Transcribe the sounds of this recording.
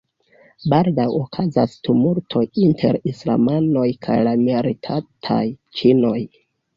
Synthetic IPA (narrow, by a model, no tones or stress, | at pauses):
baldawokʰazastumuɾtʰo̞jintʰe̞̰ɾisla̰mano̞jkʰa̰jlamiaɾitʰatʰa̰jt͡ʃino̞j